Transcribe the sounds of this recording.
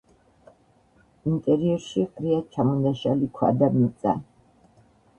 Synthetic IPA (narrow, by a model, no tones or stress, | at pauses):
int̪ʼɛɾiɔɾʃiqʼɾiat͡ʃʰamɔnd̪aʃalikʰwa̰d̪amit̪sʼa̰